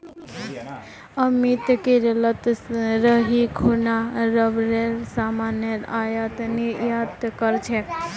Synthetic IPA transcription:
əmit̪keɾlət̪ɾəɦikʰonaɾəbɾeɾsamanjəɾajət̪niɾjat̪kəɾt͡ʃʰɛ

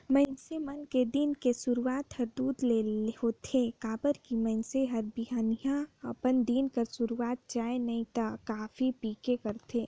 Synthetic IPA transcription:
məɪnsemɐnked̪inkesʊɾuaːt̪hɐɾd̪uːd̪leeɦot̪ʰekaːbəɾkimə̃ɪnseɦɐɾbiɦaːnijãɐpənd̪iːnkəɾsʊɾuaːt̪̚t͡ʃaːenɐĩt̪akaːfipiːkekɐɾt̪ʰeː

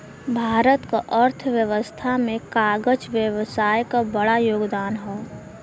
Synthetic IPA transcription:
bʱaːɾət̪kaʔəɾt̪ʰəʋjəʋəst̪ʰamẽkaːɡəd͡ʒʋjəʋsaːjkabəɽajoːɡd̪aːnɦɛː

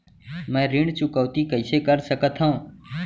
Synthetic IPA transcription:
mɛ̃ːɾiɳɖt͡ʃʊkəʋt̪iːkəɪseːkəɾsəkət̪ʰɦãũː

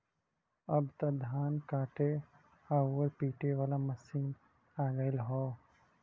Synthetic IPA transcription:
əbt̪ɐd̪ʱaːnkaːʈe | aːəɾpiːʈeʋaːlaməsiːn | aːɡəɪlɦoː

